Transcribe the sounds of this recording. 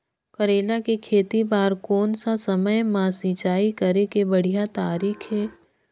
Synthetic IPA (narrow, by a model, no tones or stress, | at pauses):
kɐɾeːlakekʰeːt̪ibaːɾkoːnsasɐməjmãsĩːt͡ʃaːikəɾekebɐɽ̤ijat̪aːɾiːkʰɦɛː